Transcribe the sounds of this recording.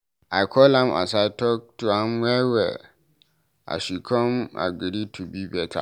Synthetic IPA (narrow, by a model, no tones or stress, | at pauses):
aɪkʰɔlãmʔa̰satʰɔk̚tʰuãmwɛwɛ̰ | a̰ɕikʰɔ̃ma̰ɡiɾitʰubibɛtʰa̰